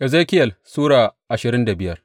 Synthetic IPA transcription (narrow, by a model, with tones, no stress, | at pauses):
ʔɛ˨zeː˦kʲɪ˦jɐ˨lsuː˦ɽaː˨ʔa˨ʃɪ˨ɾɪ˦nda˨bɪ˦jɐ˦r